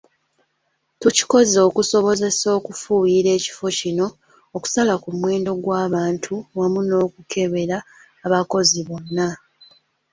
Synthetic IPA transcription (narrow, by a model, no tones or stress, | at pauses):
tuci̥ko̞zo̞ːkuso̞βo̞ze̞so̞ːkufuːjiɾe̞ːci̥fo̞cino̞ː | ku̥salakumwe̞ːndo̞ɡwaːβaːntʰuwamuno̞ːkukʰe̞βe̞ɾaː | βako̞ziβo̞nːa